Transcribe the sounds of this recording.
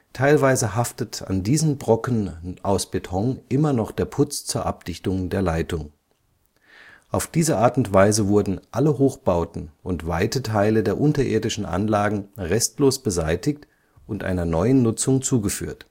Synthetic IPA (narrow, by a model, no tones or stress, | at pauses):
tʰaɪlvaɪzəɦaftətʰa̰ndiːzn̩bʁɔkn̩ʔaʊsb̥etʰɔŋʔɪmɐnɔχd̥eːɐpʰʊt͡st͡suːɐʔap̚d̥ɪçtʊŋdeːɐlaɪtʊŋ | ʔaʊfd̥iːzəʔaːɐtʊntv̥aɪzəvʊɐdn̩ʔaləɦoːxb̥aʊtn̩ʔʊntv̥aɪtətʰaɪlədeːɐʔʊntɐʔḛːɐdɪʃn̩ʔa̰nlaːɡŋ̩ʁɛstloːsb̥əzaɪtɪçt | ʔʊntʔa̰ɪnɐnɔʏənːʊt͡sʊŋt͡suːɡəfy̰ːɐt